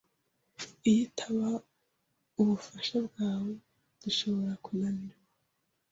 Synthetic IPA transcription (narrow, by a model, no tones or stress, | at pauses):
ijitʰaβa | uβufaʃabɡaːwe̞ | d̥uʃo̞βo̞ɾakunamiɾa